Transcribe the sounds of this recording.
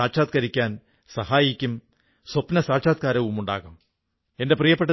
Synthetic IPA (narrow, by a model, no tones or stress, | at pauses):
aːʈʂaːt̪̚kɐɾikʲːaːn | sɐhaːjikʲːum | swɐpnɐsaːʈʂaːt̪̚kaːɾɐʋumuɳɖa̰ːɣum | e̞nde̞prijɐpːeʈː